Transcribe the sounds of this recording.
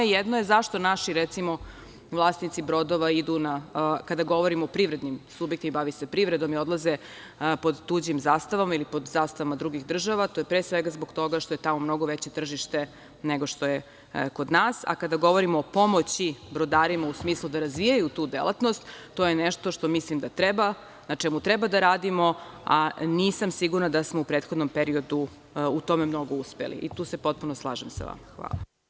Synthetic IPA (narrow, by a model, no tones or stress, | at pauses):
jɛd̪nojezaʃt̪onaʃiɾɛt̪simo̞ | ʋlˠaːsnit̪sibɾo̞d̪oʋaid̪unakad̪aɡo̞ʋo̞ɾimoopɾiʋɾed̪nimsubjekt̪imibaʋisepɾivɾed̪o̞mio̞d̪lˠaze | po̞d̪ːuːd͡ʑimzaːst̪aʋamailipod̪zaːst̪aʋamad̪ɾuɡiɣd̪r̩ʒaʋat̪ojepɾeːsʋeɡazboɡt̪o̞ɡaʃt̪ojet̪amomno̞ɡoʋet͡ɕe̞t̪r̩ʒiʃt̪e | neɡo̞ʃt̪o̞je | ko̞d̪naːsa̰kad̪aɡo̞ʋo̞ɾimoːpo̞mot͡ɕibɾod̪aːɾimausmiːslˠud̪aɾazʋijajut̪uːd̪ḛlˠat̪no̞st̪t̪ːojeneʃt̪o̞ʃt̪o̞mislimd̪at̪ɾɛba | nat͡ʂɛmut̪ɾɛbad̪aɾaːd̪imoaniːsamsiɡuɾnad̪asmo̞upɾet̪xo̞d̪no̞mpeɾio̞d̪u | ut̪o̞memno̞ɡo̞uspḛlḭʔit̪uːsepo̞t̪̚punoslˠa̰ːʒemsa̰ʋa̰mxʋa̰ːlˠa̰